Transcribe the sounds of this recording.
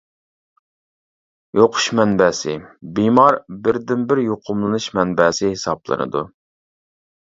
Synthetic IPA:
joqʰʊ̥ʃmɛnbɛsɪbimɑɾbɪɾd̪ɪnbɪɾjoqʰʊmlˠɨnɨʃmɛnbɛːsɪhɪsɑblˠɨ̰nɨ̰d̪u

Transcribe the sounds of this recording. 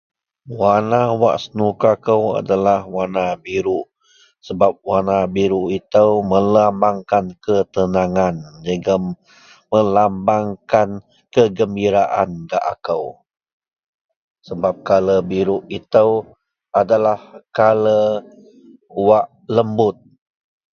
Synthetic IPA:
wanawa̰ʔsənukakəwa̰dalahwanabiɾuʔ | səbap̚wanabiɾuʔit̪əwməlambaŋkankət̪ənaŋand͡ʒəɡa | məlambaŋkan | kəɡəmbiɾaʔanɡa̰ʔa̰kəw | səbap̚kaləbiɾuʔit̪əw | adalahkalə | waʔ | ləmbʊt̪̚

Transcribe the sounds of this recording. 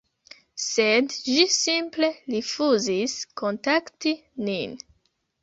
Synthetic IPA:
sedd͡ʒisimple̞lifuziskʰo̞ntaktinin

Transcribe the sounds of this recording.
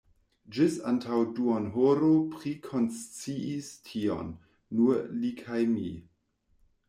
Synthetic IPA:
d͡ʒɪsantʰawduonɦoɾopɾikʰonst͡siistʰio̰nː | uɾlikʰajmḭ

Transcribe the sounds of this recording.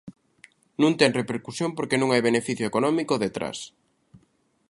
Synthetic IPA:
nũnt̪ɛŋrepeɾkusjõmpoɾkenũŋajβ̞enefiθjoekonɔmikoðet̪ɾa̰s

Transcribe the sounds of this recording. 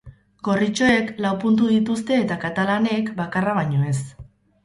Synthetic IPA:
ɡo̞rit͡ʃo̞e̞klawpunt̪uðit̪ust̪e̞ːt̪akat̪alane̞kbakaraβaɲo̞e̞s

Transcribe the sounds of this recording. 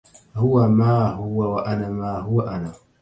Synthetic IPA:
hʊwamaːɦʊwawaʔanamaːɦʊwaʔana

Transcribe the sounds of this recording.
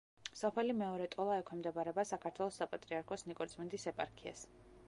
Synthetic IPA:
sɔpʰɛlimɛɔɾɛt̪ʼɔlˠaɛkʰɛmd̪ɛbaɾɛbasakʰat̪ʰwɛlˠɔsːapʼat̪ʼɾiaɾkʰɔsnikʼɔɾt̪sʼmɛnd̪isɛpʼaɾkʰia̰s

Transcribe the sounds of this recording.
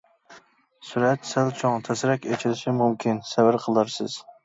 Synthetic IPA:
suɾɛt̪sælt͡ʃʰɔŋt̪ʰɛsɾɛkʲet͡ʃʰɪlɪʃɪmumkʲʰinsɛvɪɾqʰəlˠɑɾsɪ̰z̥

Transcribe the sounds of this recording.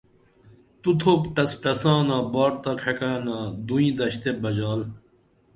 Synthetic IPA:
t̪ut̪ʰoːpʈɐsʈɐsãːnãːbaːʈ̚t̪aːkʰɐkaːnãːd̪uĩːd̪ɐɕt̪ebɐd͡ʑaːl

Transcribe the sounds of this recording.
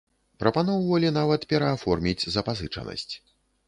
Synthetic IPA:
pɾɐpanɔwvɐlʲinavɐt̪pʲɛɾɐːfɔrmʲid͡zʲzɐpazɨt͡ʂɐ̰nɐ̰sʲt͡sʲ

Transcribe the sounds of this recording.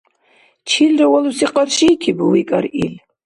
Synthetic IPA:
t͡ʃʰilɾɛwalusiqʼaɾʃiːkʰibuwikʼaɾil

